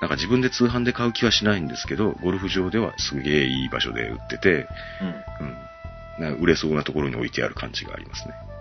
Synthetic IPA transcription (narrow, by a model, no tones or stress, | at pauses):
nãŋkad͡ʑibɯ̟̃nd̪e̞t͡sɨːɦãnd̪e̞kaɯ̟kʲiβaɕinaĩnd̪e̞sɨ̥ke̞d̪o̞ɡo̞ɾɯ̟ɸɯ̟ʑo̞ːd̪e̞βa̰sɨɡe̞ːiːba̰ɕo̞̰d̪e̞̰ɯ̟̰t̪ːe̞t̪e̞ | ɯ̃ɯ̟̃ɴ | naɯ̟ɾe̞so̞ːnat̪o̞ko̞ɾo̞ɲ̟io̞it̪ea̰ɾɯ̟kʰã̰ɲ̟d͡ʑiɡa̰ːɾʲimasɨ̥ne̞